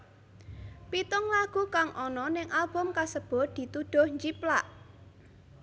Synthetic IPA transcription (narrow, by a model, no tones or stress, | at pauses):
pit̪ʊŋlaɡ̥ukaŋʔɔnɔnɪŋʔalb̥ʊ̤mkasəb̥ɔ̤d̪̥i̤t̪uɖ̥o̤hɲd͡ʒiplaʔ